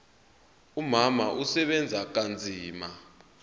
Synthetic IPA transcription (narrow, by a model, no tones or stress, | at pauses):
umama̰ʔusɛɓɛnd͡zʱak̬and͡zʱiːma